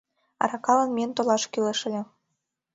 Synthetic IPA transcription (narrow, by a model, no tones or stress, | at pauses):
ɑ̰ɾɑkɑlə̆nmiənt̪olɑʃkyleʃɘ̆lʲĕ